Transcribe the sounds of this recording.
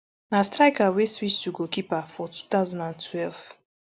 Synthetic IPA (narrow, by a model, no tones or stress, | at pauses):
nastɾajkaweswistuɡokipafɔtʰu̥t̪aʊzãndãntwɛlv